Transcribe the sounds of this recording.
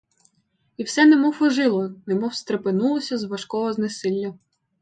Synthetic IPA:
iwsɛnemɔfɔʒɪlˠɔnemɔwst̪ɾepɪnulˠɔsʲɐzʋɐʃkɔɦɔznesɪlʲːɐ

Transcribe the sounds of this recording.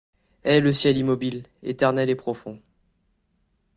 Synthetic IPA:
ɛləsjɛlimɔbilḛt̪ɛʁnɛlepχɔfɔ̃

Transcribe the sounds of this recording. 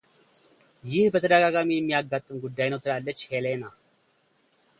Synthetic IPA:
jɪhbət̪ʰəd̪əɡaɡamijɛmːijaɡːat̪ʼːɨmɡud̪ːajnəwt̪ʰɨlalːət͡ʃːhelena

